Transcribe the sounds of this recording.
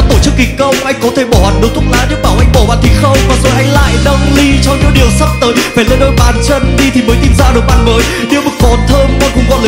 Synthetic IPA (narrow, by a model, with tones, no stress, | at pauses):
t̪o˧˩t͡ɕɨ˦˥kːi̟˨˩kə˧wŋ͡mʔa˧jŋ̟kɔ˨˦t̪ʰe˧˩ɓɔ˧˩haː˨˩nɗo˨˦t̪ʰu˦˥t̚laː˨˦nɗɨ˧˥kɓaː˨˩wʔa˧jŋ̟ɓɔ˧˩ɓa̰ː˧˨nt̪ʰi˨˩xə˧wŋ͡mkɔ˨˦zo˨˩jha˨˧˦jla̰ː˧˨jnə˧wŋ͡mli˧t͡ɕɔ˧ɲɨ̰˧˥ɗi˨˩əwsə˦˥p̚t̪əː˨˦jfaː˧˩jlə˧nɗo˧jɓaː˨˩nt͡ɕə˧nɗi˧t̪ʰi˨˩məː˨˦jt̪i˧mzaː˧ɗɨ˨˩əɓa̰ː˧˩nməː˨˦j | ɗi˧əwɓɨ˨˩k̚vɔ˨˩nt̪ʰəː˧mkɔ˧˩nkʊ̰˧˩ŋ͡mkɔ˨˦ləː˨